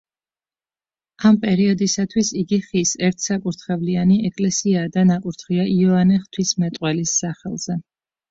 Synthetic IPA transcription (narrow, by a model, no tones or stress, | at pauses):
ampʼɛɾiɔd̪isat̪ʰwisiɡiχisɛɾt̪ʰsakʼuɾt̪ʰχɛvlianiɛkʼlɛsiaːd̪anakʼuɾt̪ʰχiaʔiɔanɛχt̪ʰwismɛt̪ʼqʼwɛlisːaχɛlˠz̥ɛ